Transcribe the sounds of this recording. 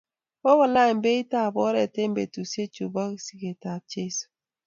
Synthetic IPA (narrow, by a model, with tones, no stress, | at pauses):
bo˦ɣɔ˨la˦˨m˦be˦i˦ta˦˨bɔ˦ɾɛ˨te˦m̩˦bḛ˨tu˨se˦t͡ʃu˨bɔ˦ki˨si˦ke˨ta˨b̚t͡ʃe˦su̥˨